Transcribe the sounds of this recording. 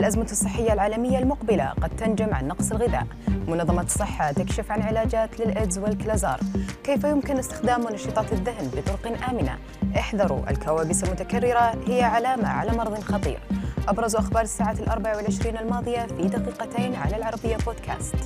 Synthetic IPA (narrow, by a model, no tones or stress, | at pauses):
alʔazmasˤːɨħːɪjːalʕaːlamɪjːalmʊqbɪla̰qɑd̪̚t̪and͡ʒamʕa̰nːɑqsˤɪlɣɪða̰ːʔmʊnɑðˤːɑmɑsˤːɨħːat̪ɪkʃɪfʕanʕɪlaːd͡ʒaːt̪lɪlʔɪd̪zwɪlklazɑ̰ːɾˤkeːfajʊmkɪnʔɪst̪ɪ̥xd̪aːmwnɑʃɨːt̪ˤɑːt̪ɪðːahnbɨt̪ˤʊɾʊqɪnʔaːmɪna̰ | ʔɪħd̪ɑɾˤṵʔɪ̰lkawaːbɪsalmʊt̪akarːɪɾahɪjːaʕalaːma̰ʕa̰lamɑɾˤðˤɨnxɑt̪ˤḭːɾʔɑbɾˤɑzʔaxbɑːɾˤɪsːaːʕaːlʔɑɾˤbaʕawɪlʕɪʃɾiːnɪlmɑːðˤɨjafid̪aqiːqat̪ejːnʕa̰lalʕɑɾˤɑbɪjːaboːd̪kʰa̰ːst̪